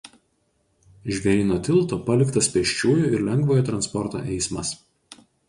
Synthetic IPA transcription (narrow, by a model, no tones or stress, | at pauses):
ʒʲʋʲɛɾʲiːnoːt̪ʲɪlˠt̪oːpɐlʲɪkt̪ɐspʲɛʃʲt͡ʃʲuːjuːɪɾlʲɛŋɡʋoːjoːt̪ɾɐnspɔɾt̪o̰ːʔɛɪsmɐs